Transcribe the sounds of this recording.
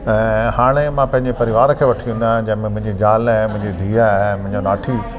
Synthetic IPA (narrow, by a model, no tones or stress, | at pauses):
ɛ̃haːɽ̃emãpɐ̃ɦɪ̃ɲd͡ʑepɐɾɪiʋaːɾkʰeːʋɐʈʰiũnd̪ãd͡ʑɐ̃ɦɪ̃mẽmʊ̃ɦɪ̃ɲd͡ʑed͡ʑaːlãmʊ̃ɦɪ̃ɲd͡ʑid̪ʱiːamʊ̃ɦɪ̃ɲd͡ʑonaːʈʰiː